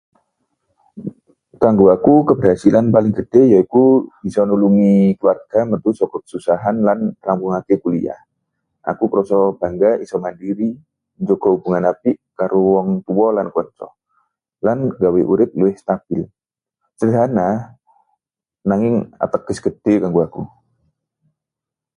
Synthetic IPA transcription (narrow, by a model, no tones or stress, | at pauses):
kaŋɡoakukəbərɦasilanpalɪŋɡəd̥ɪjaikub̥isɔnuluŋikluwarɡ̥amənt̪usɔkɔkə̥susaɦanlanrampuŋakikulḭa̰h | ʔa̰kukɾɔsɔb̥aŋɡaisɔmandiɾi | ɲd͡ʒoɡɔɦubuŋanapiʔkaɾuwɔŋt̪uwɔlankuɔt͡ʃɔ̰ | lanɡaweʔuɾɪp̪̚luɪhst̪ab̥ɪl | t͡ʃədana | naŋɪŋa̰t̪əkəsɡ̥əd̥ekaŋɡuaku